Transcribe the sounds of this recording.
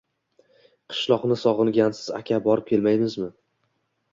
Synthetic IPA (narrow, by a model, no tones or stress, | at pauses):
qʰɨ̥ʃlˠɒqnɪsɒʁɨlˠɡʲansɪza̰kʲʰabɒɾɪp̚kʲʰe̞lmajmɪzmɪ